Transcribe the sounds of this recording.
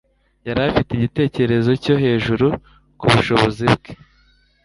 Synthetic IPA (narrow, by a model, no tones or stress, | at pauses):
jaɾafiteiɟite̞ːceeɾe̞zo̞co̞ɦe̞ːʒuɾu | kuβuʃo̞βo̞zibɡe̥